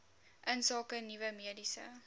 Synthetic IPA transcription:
ʔənsɑːkənivəmiədisə̰

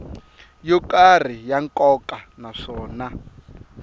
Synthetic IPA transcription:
jɔkar̤ijaŋkʼɔkʼanaʂɔːna

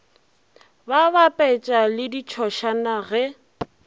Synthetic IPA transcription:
babapʼɛt͡ʃʼalɪdit͡ʃʰɔʃanaɣɛ

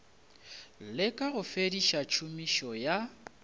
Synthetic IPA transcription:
lɪkʼaɣʊfediʃat͡ʃʰumiʃɔja

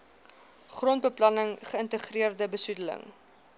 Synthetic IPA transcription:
χrɔnt̚bəplɐnəŋχəəntəχriərdəbəsudələ̰ŋ

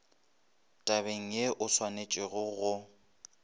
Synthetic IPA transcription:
tʼaβeŋ̩jeʔʊswanet͡ʃʼɪɣʊɣʊ

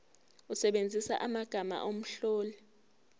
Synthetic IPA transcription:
usɛɓend͡zʱisa̰ʔamaɡ̥ʱama̰ʔom̩ɬɔːlɛ

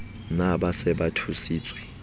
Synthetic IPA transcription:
naɓasɛɓatʰusiːt͡sʼwɛ

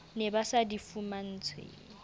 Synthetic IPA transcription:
nebasadifuman̩ːt͡sʰwḛːŋŋ̩

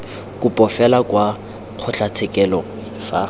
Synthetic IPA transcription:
kʼʊpʼɔfɛlakwa | q͡χʰʊɬat͡sʰɛkʼɛlɔ | ɪfa̰

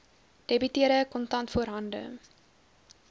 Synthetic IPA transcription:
d̥ebytiəɾəkɔntɐntfuəɾɦɐndə̰

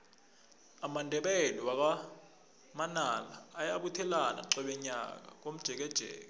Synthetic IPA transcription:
amandʱɛɓɛliwak̬a | manalaːjaɓutʰɛlana̰ǁɛɓɛɲa̰k̬a̰k̬om̩d̥ʒ̥ʱɛk̬ɛd̥ʒ̥ʱɛ̰ːk̬a

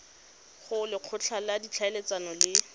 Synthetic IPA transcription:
χʊlɪq͡χʰʊt͡ɬʰaladit͡ɬʰaelet͡sanɔlɪ

